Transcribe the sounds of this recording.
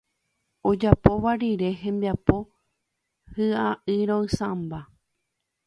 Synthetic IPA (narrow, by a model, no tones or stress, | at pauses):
od͡ʒapo̞ʋaɾiɾe̞ɦẽ̞mbiapo̞ | hɨaʔɨɾõɨ̃sãmba